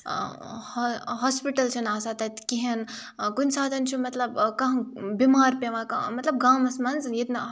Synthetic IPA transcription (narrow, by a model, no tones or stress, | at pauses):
hɦoːspiʈɐlt͡ʃʰɐnaːsat̪ɐt̪ʲkiɦen | kunʲsaːd̪ʱɐnt͡ʃʰumɐt̪lɐbkɐ̃ɦbimaːɾpeʋãːkamɐt̪lɐb̚ɡaːmɐsmɐnzjed̪nɐ